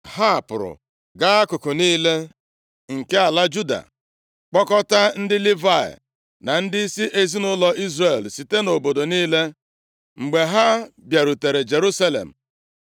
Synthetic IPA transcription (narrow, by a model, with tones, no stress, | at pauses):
ha˦a˨pʊ̰˨ɾʊ̰˨ | ɡa˦a˦kʊ˨kʊ˨niː˦le˦ | ŋ̩˨ke˦a˨la˦d͡ʒu˦da̰˨ | k͡pɔ˦kɔ˦ta˦n̩˦dɪ˦li˦va˨ḛ˨ | na˨n̩˦dɪ˦i˦si˦ʔe˨zi˦nʊ˦lɔ˦ʔi˦zre˨lsi˨te˦no˨bo˨do˨niː˦le˦ | ŋ͡m̩˨ɡ͡be˨ɦa˦bja˨ɾu˨te˨ɾe˨d͡ʒe˨ɾu˦sa˦lḛ˨m̩˨